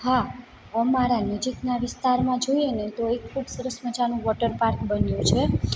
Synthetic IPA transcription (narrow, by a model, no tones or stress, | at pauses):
ɦa | əmaɾanəd͡ʒiknaʋɪst̪aɾmãd͡ʒojenet̪oekʰːubsəɾəsmət͡ʃanũʋɔʈəɾpaɾkbənjũt͡ʃʰe